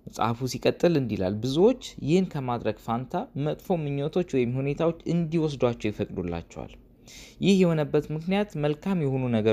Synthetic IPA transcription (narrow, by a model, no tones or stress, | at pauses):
msʼa̰fusikʼət̪ʼːɨlɨnd̪ila̰lbɨzuwo̞t͡ʃːjɪhɨnkʰəmad̪ɾəɡfant̪ʰamət̪ʼfo̞mɨɲːot̪ʰo̞t͡ʃːwɔjɪmhune̞t̪ʰawo̞t͡ʃːɨnd̪iwɔs̬d̪wat͡ʃːɛwjɛfəkʼd̪ulːa̰t͡ʃːɛ̰wa̰l | jɪhjɛhonəbːət̪mɨknijat̪məlkʰamjɛho̞nunəɡə